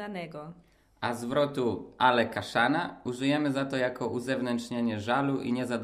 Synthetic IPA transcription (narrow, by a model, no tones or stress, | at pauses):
anɛɡɔ | azvɾɔt̪uʔalɛkaʂanauʐɘjɛmɘzat̪ɔjakɔʔuzɛvnɛntʂɲeɲɛʐaluʔḭɲɛzad̪